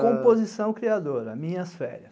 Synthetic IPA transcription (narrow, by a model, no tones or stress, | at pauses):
kõpozisɐ̃w̃kɾiad̪oɾɐmĩɲɐsfɛ̰ɾɐ